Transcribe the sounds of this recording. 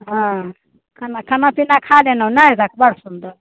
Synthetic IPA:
ɦã | kʰanakʰɐnapinakʰalenanajd͡zakbəɽ̤sund̪əɾ

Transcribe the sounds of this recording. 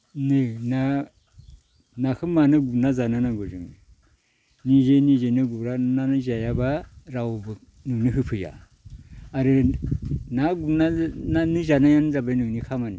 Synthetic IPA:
nɯna | nakʰɯmanɯɡunazananaɡuzuŋi | nizenizenɯɡuɾananɯzajabaɾawbɯ | nuŋniɦɯpʰɯja̰ː | ɾɯ | naɡunananizanajanzabajnɯŋnikʰamani

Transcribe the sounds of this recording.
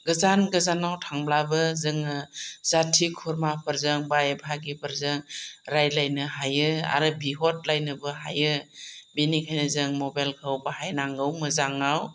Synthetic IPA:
ɡɯzanɡɯzanawtʰaŋblabɯzɯŋɯzatʰikʰɔɾmapʰɯɾzɯŋbajebʱaɡipʰɯɾzɯŋɾajlajnɯɦajɯa̰ɾɯbiɦɔt̚lajnɯbɯɦa̰jɯbinikʰajnɯzɯŋmɔbajlkʰawbahajnaŋɡɯwmɯzaŋaw

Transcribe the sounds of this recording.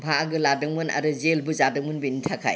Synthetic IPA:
bʱaɡɯladɯŋmɯna̰ɾɯzelbuzadɯŋmɯnbenitʰakʰa̰j

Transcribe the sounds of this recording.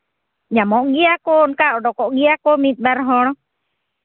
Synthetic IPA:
ɲamɔʔɡiakɔnkaʔɔɖɔkɔʔɡiakomit̪̚ˀbaɾɦɔñɔ

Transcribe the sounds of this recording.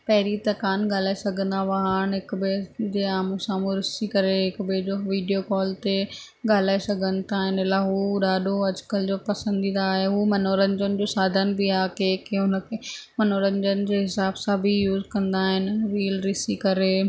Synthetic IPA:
pɐɦɪɾit̪ɐkaːnɠaːlaːesɐɡʱə̃nd̪aʋɐɦaːɽ̃ɦɪkbɪd͡ʑeːaːmũsãːmũɾɪsikɐɾeɦɪkbɪd͡ʑoːʋiːɖijokɔːlt̪e | ɠaːl̤aːesɐɡʱənɪ̆t̪ʰaːɦɪnɪlaɦuɗaːɗʱoɐd͡ʑkəld͡ʑoːpɐsə̃nd̪ĩːnd̪aːɦeɦuːmɐnoːɾə̃ɲd͡ʑənɪ̆d͡ʑoːsaːd̪ʱənbiaːkekeɦʊnə̆kʰeːmɐnoːɾə̃ɲd͡ʑənɪ̆d͡ʑeːɦɪsaːbsãbʱɪjuːzkɐ̃nd̪aːɦɪnɪ̆ɾiːəlɾɪsikɐɾeː

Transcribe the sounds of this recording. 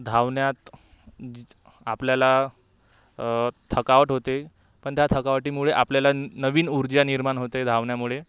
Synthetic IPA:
d̪ʱaʋɳjat̪ | a̰pljala | t̪ʰəkaʋəʈɦot̪e | pəɳt̪jat̪ʰəkaʋʈiːmuɭeʔapljalanəʋiːnuɾd͡ʑjaniɾmaɳɦot̪ed̪ʱaʋɳjamuɭe

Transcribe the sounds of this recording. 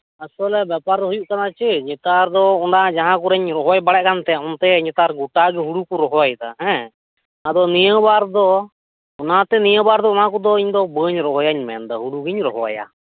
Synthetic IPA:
asɔlɛbapaɾɦujuʔkanat͡ʃɛɲɛt̪aɾd̪ɔɔɳɖad͡ʒaɦãkuɾɛɲɾɔɦɔwajbaɽɛʔ̚kant̪ɛaɔnt̪ɛɲɛt̪aɾɡuʈaɡɛɦuɽukuɾɔɦɔwajt̪a̰ɦɛ̃ | ad̪ɔnijəbaɾd̪ɔ | ɔnat̪ɛnijəbaɾd̪ɔɔnakɔd̪ɔiɲd̪ɔbəɲɾɔɦɔjaɲmɛ̰nd̪ɔɦuɽuɡiɲɾɔɦɔwa̰ja̰

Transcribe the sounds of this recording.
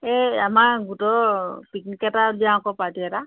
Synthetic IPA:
ɛamaɡutɔpiknikɛtabiãkɔpatiɛta

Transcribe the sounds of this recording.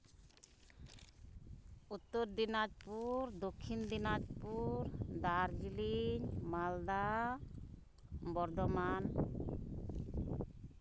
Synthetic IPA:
ut̪ːoɾd̪inad͡ʒpuɾd̪okʰːind̪inad͡ʒpuɾd̪aɾd͡ʒiliɲmald̪a | bɔɾd̪ɔman

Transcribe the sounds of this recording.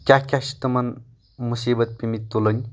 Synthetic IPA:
kʲjakʲaʃi̥t̪ɐmɐn | musiːbət̪̚pimit̪ːulənʲ

